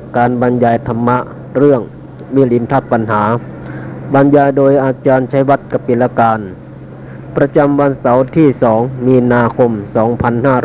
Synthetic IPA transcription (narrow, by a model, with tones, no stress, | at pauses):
kaː˨˧nba˨˧njaː˨˩jt̪ʰa˧mːa˧˥ʔ | ɾɯ˥˩əŋ | wiː˧˥˨li˨˩˦nt̪ʰa˧˥˩p̚pːa˧nɦaː˩˦ | baː˨˧njaː˧jdoː˧jʔaː˧t͡ɕaː˧nt͡ɕʰa˧˥jwa˧˥˩t̪̚ka˧˩pi˨˧˩la˧kaː˧n | pɾa˧t͡ɕa˧mʋa˧nsa˨˦wt̪ʰiː˧˥˩sɔː˩˦ŋmiː˧naː˧kʰo˧msɔː˩˦ŋpʰa˧nhaː˥˩ɾ